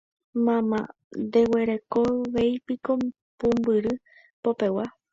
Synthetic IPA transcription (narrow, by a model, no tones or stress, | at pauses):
mãmã̰ | nd̪e̞we̞ɾe̞koʋe̞jpiko | pũmbɨɾɨ | po̞pe̞wa